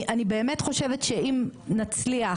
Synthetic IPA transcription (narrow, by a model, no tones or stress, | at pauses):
ʔanibe̞ːmetχo̞ʃevetʃeʔimnat͡slia